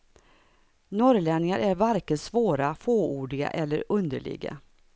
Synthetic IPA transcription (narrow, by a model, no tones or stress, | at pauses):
nɔɾlɛnːɪŋaɾʔæɾvaɾkəsvoːɾafoːuːɖɪɡa̰ʔɛlːəɾɵnd̪əɭɪ̰ɡa̰